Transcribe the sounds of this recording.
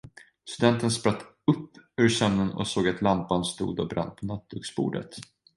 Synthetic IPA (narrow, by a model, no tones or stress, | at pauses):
st̪ɵd̪ɛnt̪ənspɾat̪ː | ɵpːʉ̟ːɾsœmnənɔ̰soːɡat̪lampanst̪ṵːd̪ɔbɾa̰nːpʰɔnat̪̚b̪ɵksbṵːɖə̰t̪